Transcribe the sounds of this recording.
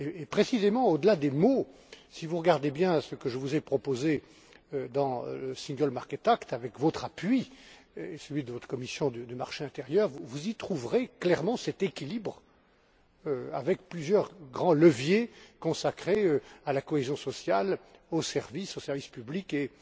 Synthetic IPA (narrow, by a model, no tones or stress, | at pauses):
eːpχesizemɑ̃od̪əlad̪emo | sivuʁəɡaʁd̪ebjɛ̃səkəʒəvuzɛpχɔpoze | ød̪ɑ̃ləsĩŋɡɔlmaʁkʲɛt̪akt̪avɛkvɔt̪χapɥi | esəlɥid̪əvɔt̪χə̥kɔmisjɔ̃d̪əd̪yma̰ʁʃeɛ̃t̪eʁjœːʁvuvuzit̪χuvʁeklɛʁmɑ̃sɛt̪ekʲilibʁ | øa̰vɛk̚plyzjœʁɡʁɑ̃ləvjekɔ̃sakχeøalakɔezjɔ̃sɔsjalosɛʁvisosɛʁvispyblike